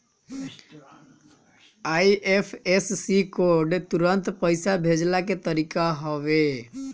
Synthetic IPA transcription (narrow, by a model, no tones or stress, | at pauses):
aiepʰessikoɾɖt̪uɾənt̪pəjsabʱed͡ʒlaket̪əɾikaɦɔʋe